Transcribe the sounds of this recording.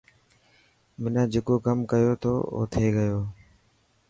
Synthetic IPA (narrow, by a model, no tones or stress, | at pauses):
mɪnãːd͡ʒeːkoːkəmkəjoːt̪ʰoːo̰ːt̪ʰeːɡəjoː